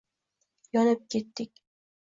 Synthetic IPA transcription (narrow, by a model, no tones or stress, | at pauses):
jɒnɪp̚kʲʰe̞t̪ːɪkʲ